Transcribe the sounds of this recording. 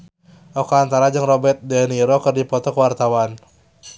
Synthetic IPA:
ʔɔkaant̪aɾad͡ʒəŋrɔbɛrt̪̚dɛniɾɔkɨrdipɔt̪ɔkəwart̪awan

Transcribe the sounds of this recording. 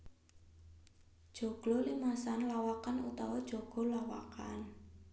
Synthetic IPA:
d̥ʒ̥o̤ɡ̥lɔlimasanlawakanṵt̪awɔd̥ʒ̥o̤ɡ̥o̤lawa̰ka̰n

